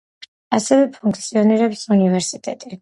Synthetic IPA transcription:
asɛvɛpʰuŋkʰt̪sʰiɔniɾɛpsunivɛɾsit̪ʼɛ̰t̪ʼi

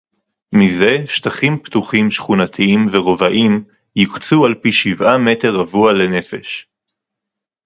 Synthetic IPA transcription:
mize̞ʃt̪aχimptuχimʃχunat̪ʰiimveʁo̞vaʔim | jikt͡sualpiʃivame̞te̞ʁavuale̞ne̞fe̞ʃ

